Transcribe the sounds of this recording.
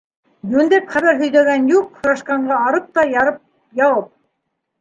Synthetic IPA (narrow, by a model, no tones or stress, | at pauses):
jʉnd̪æpχæβæɾɦɵ̆jd̪æɡænjuqhɤ̆ɾɑʃqɑɴɢɑːɾɤp̚t̪ɑjɑɾɤp̚ | jɑwɤp̚